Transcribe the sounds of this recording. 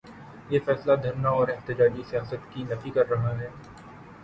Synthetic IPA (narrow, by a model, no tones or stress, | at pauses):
jeːfɛːslad̪ʱɐɾnaɔːɾɪɦt̪ɪd͡ʒaːd͡ʒisijaːsət̪kinɐfikɐɾːɐɦaɦɛː